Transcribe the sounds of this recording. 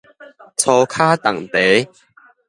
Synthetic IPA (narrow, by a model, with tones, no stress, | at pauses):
t͡sʰɔ˧kʰaː˥t̪a˨˩ŋt̪e˨˦